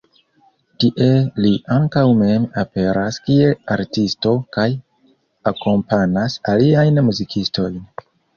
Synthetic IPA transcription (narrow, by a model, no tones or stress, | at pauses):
tiʔeliʔaŋkawme̞mape̞ɾaskie̞aɾtisto̞kaj | ako̞mpanasaliajnmuzikʰisto̞jn